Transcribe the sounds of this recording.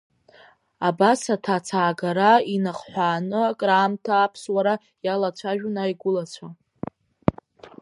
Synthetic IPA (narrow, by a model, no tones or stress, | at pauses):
abasatʰat͡sʰaːɡaɾainaχħʷaːnɨakʼraːmtʰaːpʰswaɾa | jalat͡ɕʷʰaʒᶣunajɡʷʊlat͡sʷʰa